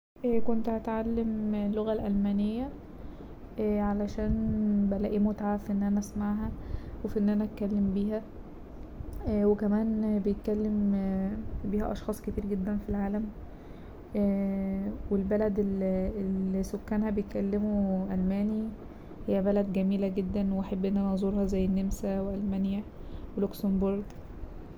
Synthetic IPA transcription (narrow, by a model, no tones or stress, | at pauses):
ʔkont̪hæt̪ʕalːemelːoɣælʔælmænejːæ | ʔʕalæʃæːnbælæʔiːmot̪aʕafiʔenːʔænæʔæsmaʕɦæwefiʔenːʔænææt̪̚kælːembiːɦæ | wekæmæːnbejet̪̚kælːem | biːhæ̰ʔɑʃxɑːsˤket̪iːɾɡed̪ːænfilʕaːlæm | welbælæd̪elelisokːæːnhæbejet̪kælːemuʔælmæːni | hejːæbælæd̪ɡæmiːlæɡed̪ːænweʔæħabːʔenːænæzˤuːɾhɑzæjːenːemsæweʔælmænjæ | weloksomboɾˤɡ